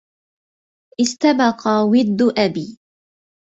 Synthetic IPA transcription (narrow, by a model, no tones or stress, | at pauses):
ʔɪst̪abɑqɑwɪd̪ːʊʔabiː